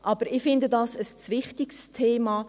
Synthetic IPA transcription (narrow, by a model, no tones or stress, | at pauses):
ʔɑb̥əɾɪfɪndədɑːsəst͡svɪχtɪkstʰeːmɑː